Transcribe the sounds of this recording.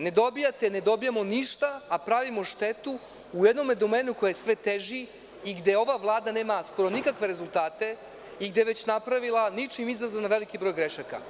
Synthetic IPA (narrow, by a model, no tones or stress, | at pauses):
ne̞d̪o̞bijat̪ene̞d̪o̞bijamo̞niʃt̪aːpɾaʋimo̞ʃt̪e̞t̪u | ujed̪no̞med̪omeːnuko̞jaesʋe̞t̪eʒi | iɡd̪e̞o̞ʋaʋlˠaːd̪ane̞ːmasko̞ɾo̞nikakʋe̞ɾezulˠt̪aːt̪e̞ | iɡd̪e̞ʋe̞t͡ɕnapɾaʋilˠanit͡ʃimizazanaʋe̞likibɾo̞ːjɡɾe̞ʃaka̰